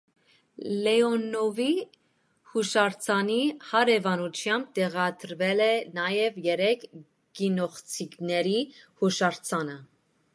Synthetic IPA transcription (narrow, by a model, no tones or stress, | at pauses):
lɛɔnɔvi | huʃɑɾt͡sʰɑnihɑɾɛvɑnut͡ʃʰjɑmb̚t̪ɛʁɑd̪əɾvɛlɛnɑjɛvjɛɾɛkʰ | ɡ̥inɔχt͡sʰiknɛɾihuʃɑɾt͡sʰɑnə